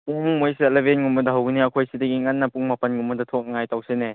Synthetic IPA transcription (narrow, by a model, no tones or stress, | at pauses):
puŋmojselebenŋumɐdɐɦawɡiniɐkʰojsidɐɡiŋɐnːɐpuŋmɐpɐnŋumːɐdɐtʰok̚ŋajtawsene